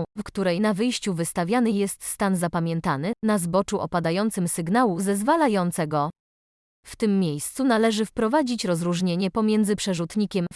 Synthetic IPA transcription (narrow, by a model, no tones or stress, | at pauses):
fkt̪uɾɛjnavɘjɕt͡ɕuvɘst̪avʲjanɘjɛst̪st̪anzapamʲjɛnt̪anɘnazbɔt͡ʂuʔɔ̰pad̪ajɔnt̪sɘmsɘɡnawuzɛzvalajɔnt̪sɛɡɔ | ft̪ɘmːʲjejst̪sunalɛʐɘfpɾɔvad͡ʑit͡ɕɾɔzɾuʐɲeɲɛpɔmʲjɛnd̪zɘpʂɛʐut̪ɲikʲɛm